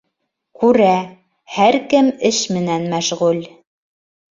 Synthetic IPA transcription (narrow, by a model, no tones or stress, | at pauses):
kʉɾæ | hæɾkɘmɘʃmɘ̆nænmæʃʁʉl